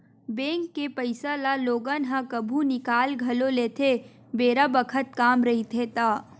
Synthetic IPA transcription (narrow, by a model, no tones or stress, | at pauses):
bẽːŋkːepəɪsalaloːɡanɦãkəbʱũnɪkaːlɡʱɐloleːt̪ʰe | beːɾabəkʰət̪̚kaːmɾɐɦit̪ʰet̪aː